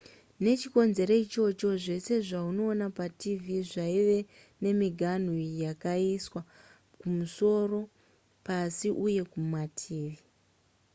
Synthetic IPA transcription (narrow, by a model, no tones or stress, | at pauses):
ne̞t͡ʃiko̞nze̞ɾo̞it͡ʃo̞t͡ʃo̞ʐe̞se̞ʐauno̞ːnapativiʐaiʋe̞ | ne̞miɡʱan̤ujakaiswa | kumuso̞ro̞ | pasiʔuje̞kumatʰiːʋi